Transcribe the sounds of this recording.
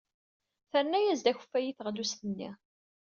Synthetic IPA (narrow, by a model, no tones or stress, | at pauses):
θəɾnæjæzd̪æçə̥fːæjiθəʁlust̪ənːḭ